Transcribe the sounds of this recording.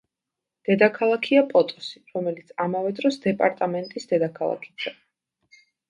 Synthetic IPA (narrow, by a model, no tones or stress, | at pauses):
d̪̥ɛd̪akʰalˠakʰiapʼɔt̪ʼɔ̥si̥ɾɔmɛlit̪sʰamavɛd̪ɾɔsd̪ɛpʼaɾt̪ʼamɛnt̪ʼisd̪ɛd̪akʰalˠa̰kʰi̥t̪ʰɛ